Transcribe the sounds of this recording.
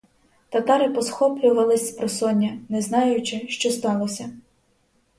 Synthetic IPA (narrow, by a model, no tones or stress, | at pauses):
t̪ɐt̪ɑɾɪpɔsxɔplʲʊʋɐlˠɪsʲpɾɔsɔnʲːɐnɛznɑjʊt͡ʃɪʃt͡ʃɔst̪ɑlˠɔsʲɐ